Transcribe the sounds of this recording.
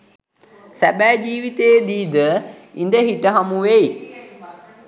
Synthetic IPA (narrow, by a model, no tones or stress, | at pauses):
sæbæːd͡ʒiːʋit̪ejd̪iːd̪əind̪əɦiʈəɦamuʋei